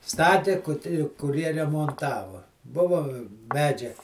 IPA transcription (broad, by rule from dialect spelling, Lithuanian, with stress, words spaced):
ˈstɑːtʲeː ˈkʊt kʊˈrʲiɛ rʲɛmoːnˈtɑːʋoː ˈbʊʋoː ˈmʲæːd͡ʒʲɛ